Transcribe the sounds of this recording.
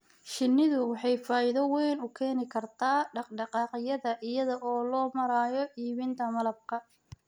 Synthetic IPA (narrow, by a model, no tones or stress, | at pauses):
ʃɪnːɪðʊwɑħɑjfaːjɪðɔwɛjnʊkʰɛːnɪkʰɐrt̪ʰaːɖɑqɖɑqɑːqɪjɐðɐʔɪjɐðɐʔɔːlɔːmɐɾaːjɔʔiːβɪnt̪ʰɐmɐlɐb̚kʰɐ